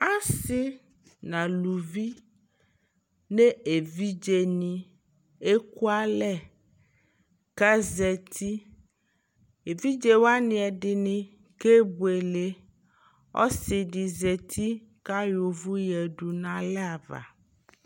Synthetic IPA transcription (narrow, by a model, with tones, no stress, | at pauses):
a˦sɪ˦ | nã˨lu˨vi˦ | ne˦e˨vi˦d͡ʒe˨nɪ˨ | e˦ku˦a˦lɛ˦˨ | ka˦zɛ˨t̪ʰi˦ | e˨vi˦d͡ʒe˨wa˦nɪ̃˨ɛ˨dɪ˨nɪ̃˨ | ke˦bu˨e˨le˨ | ɔ̰˦sɪ˨dɪ˨zɛ˨t̪ʰi˦ | ka˦jo˨vʊ˦jɛ˨du˨nã˨lɛ˦a˨va̰˨